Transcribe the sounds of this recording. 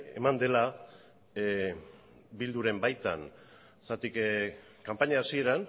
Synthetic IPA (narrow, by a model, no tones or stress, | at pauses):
e̞̰mand̪e̞la | bild̪uɾe̞mbajt̪a̰n | sat̪ik | kampaɲaːsie̞ɾan